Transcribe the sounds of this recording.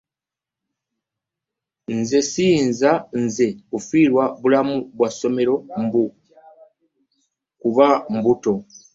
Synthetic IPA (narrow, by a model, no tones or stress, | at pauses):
nze̞siːnzanze̞kufiɾwaβulamuβwaso̞me̞ɾo̞mbu | kuβam̩buto̞